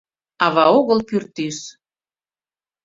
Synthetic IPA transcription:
ɑβɑoɣəlpyrt̪yʃ

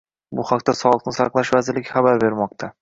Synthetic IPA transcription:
bʊhaqt̪asɒlˠɨqnɪsaqlˠaʃvazɪɾlɪɡʲχabaɾbe̞ɾmɒq̚t̪ʰa

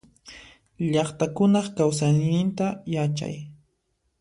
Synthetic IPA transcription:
ʎɑχt̪akʊnɑχkawsajnɪnt̪ajat͡ʃa̰j

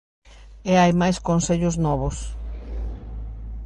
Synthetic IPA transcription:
eajmajskonseʎʊznɔβʊs

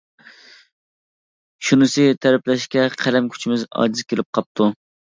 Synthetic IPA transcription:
ʃunɨsɪt̪ʰæɾɛplɛʃkʲɛqʰæɾɛmkʲʰy̥t͡ʃʰimɪzɑ̰ːd͡ʒizɪkʲʰelɪp̚qʰɑp̚t̪ʰu

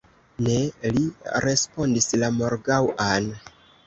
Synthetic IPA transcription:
ne̞liɾe̞spo̞ndislamo̞ɾɡawan

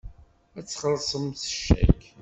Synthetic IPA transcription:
æt͡sːχəɾˤsˤəmθə̥ʃːæ̰k

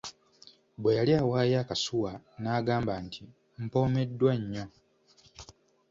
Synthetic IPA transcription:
bwe̞jaliawaːjakasuwanaːɡaːmbaːntʰi | m̩po̞ːme̞dːwaɲːo̞

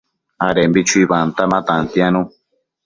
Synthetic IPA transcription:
aɾembit͡ʃuiβant̪amãt̪ant̪iãnũ

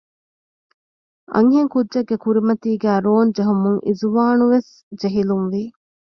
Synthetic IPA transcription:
ɐ̰ŋɦeŋkudʒɐɡːekuɾimɐt̪iːɡæːɾoːnd͡ʒeɦumuŋʔizuʋaːnuʋes | d͡ʒeɦilumʋi

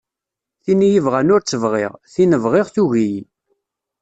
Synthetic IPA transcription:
θinijəvʁænʊɾt͡sːəvʁɪ̰ʁθinəvʁɪʁθuʝij

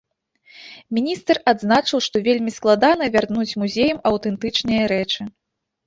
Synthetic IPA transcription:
mʲinʲist̪rad̪znat͡ʂɨwʂt̪ɔvʲelʲmʲisklˠad̪an̪ɐvʲarnut͡sʲmuzʲejɐmɐwt̪ɛnt̪ɨt͡ʂnɨjɐɾɛt͡ʂɨ

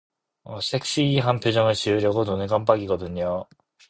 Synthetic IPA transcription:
ʌsʰe̞k̚s͈iːɦanpʰjod͡ʑʌŋɯɭt͡ɕiɯɾjʌɡononɯkamp̬͈aɡiɡʌdɯɲo

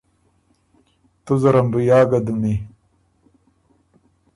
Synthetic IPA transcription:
t̪uzɐɾɐmbujaːɡɐd̪umi

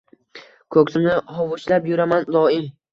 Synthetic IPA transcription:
kʰɵkʲsɪmnɪhɒwʊʃlapjʊɾamand̪ɒɪm

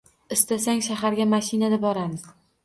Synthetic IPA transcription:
ɪst̪asaŋʲʃaɦaɾɡʲamaʃinad̪abɒɾad̪ɪ

